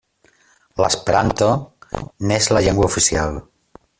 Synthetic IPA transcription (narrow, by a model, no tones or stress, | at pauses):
la̰spɾa̰nt̪onezlaʎeŋɡwaufisjal